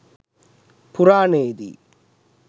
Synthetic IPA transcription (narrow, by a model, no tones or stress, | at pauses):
puɾaːneːd̪ḭ